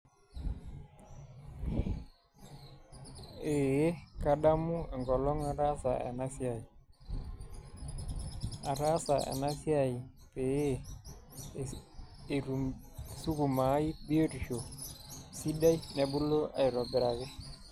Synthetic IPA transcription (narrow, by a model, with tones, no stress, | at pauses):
e˨je˦ka˦ɗa˦mu˦ɛ˨ŋɡɔ˨lɔ˦ŋa˨ɾa˦sa˨ḛ˨na˦si˦a˨i˨ | a˨ɾa˦sa˨ḛ˨na˦si˦a˨i˨ | pe˨e˦ | e˨ɾu˨ | su˦ku˨ma˨˦i˦bi˦o˦ɾi˨ʃo˨si˦da˦i˦ne˨bu˦lo˦ʔa̰˨i˨ɾɔ˨bɛ˨ɾa˨ɡɛ˦